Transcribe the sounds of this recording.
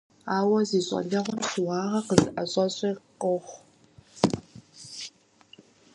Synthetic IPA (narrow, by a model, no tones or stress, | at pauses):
aːwɐziːɕʼɐ̰ɮɐʁʷʊmɕɨwɑːʁɐqəzɨʔɐɕʼɐɕʼiːqqʼʊχʷ